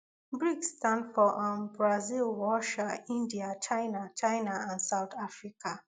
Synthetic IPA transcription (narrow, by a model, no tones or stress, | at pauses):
bɹikstãndfɔʔambɹazilwɔʃaĩndiat͡ʃaɪnat͡ʃaɪnaãnsaʊtʰafɹika